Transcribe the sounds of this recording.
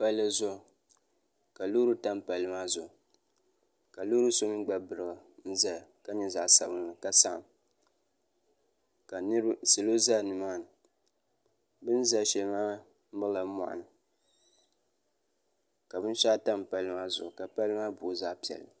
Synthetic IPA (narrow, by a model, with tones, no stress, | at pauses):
pa˦llɨ˦zʊ˦˨ | ka˨lu˦ɾu˦ta˦m˦pa˨lɨ˦maː˦zʊ˨ʔʊ˨ | ka˨lu˦ɾu˦so˦mi˦ɡ͡ba˦bɨ˨ɾɨ˨ɡa˨ | n̩˦za˦˨ka˦ɲɛ˦za˨ʔsa̰˨bɨ˦n˨lɨ˨ka˦sa˦ʔ | ka˨n˦ɾsɨ˨lo˦za˦˨nɨ˨maː˦˨nɨ˨ | bɨ˦n˦za˦ʃɛ˨lmaː˦ | mɨ˦la˨˦mɔ̰˨ʔa̰˨nɨ˨ | ka˨bɨ˦n˦ʃa˦ta˦m˨pa˨lɨ˦ma˦zʊ̰˨ʔʊ˨ka˨pa˦lɨ˦maː˦bʊ˨za˦pi˨ɛ̰˨l